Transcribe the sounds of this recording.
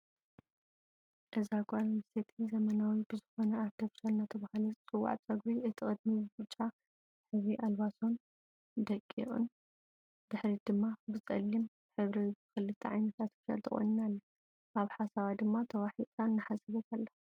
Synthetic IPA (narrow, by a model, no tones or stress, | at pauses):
ʔɨzaɡʷʼalmɨst̪ʰet̪ʰizɐmɐnawibɨzɨxo̞nɐaβt̪ʰofi̥ʃalnat̪ʰɐβahlɐt͡sʼɨwːa̰ʕt͡sʼɐɡbiʔɨt̪ʰikʼɨd̪̚mibɨbɨt͡ʃʼːa | ħɨβɾiʔalβaso̞n | d̪ɐkʼːḭʔʼṵn | d̥̪ɨħɾid̪ɨmːabɨt͡sʼɐ̰lːim | ħɨβɾixɨlːɨt̪ʰiʕa̰jnɐt̪ʰasʰofʃa̰lt̪ʰɨ̰xʼo̰nɨnalːɐ | ʔaβħasaβad̪ɨmːat̪ʰɐwaħit̪ʼanːɨħasɐβɐt̪ʰalːɐ